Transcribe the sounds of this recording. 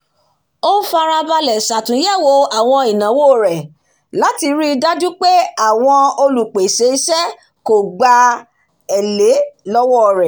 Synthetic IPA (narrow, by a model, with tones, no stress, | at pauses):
o˦fa˧ɾa˧ba˧lɛ˨sa˨tũ˨˦jɛ˦˨wo˧a˨w̃ɔ̃˧i˨nã˨˦wo˦˨ɾɛ˨ | la˨˦ti˧ɾi˦˧da˦d͡ʒũ˦k͡pe˦a˦˨w̃ɔ̃˧o˧lu˨k͡pe˨se˨˦i˦sɛ˦ | ko˨ɡ͡ba˧ | ɛ˨le˨˦lɔ˦wɔ˦˨ɾɛ˨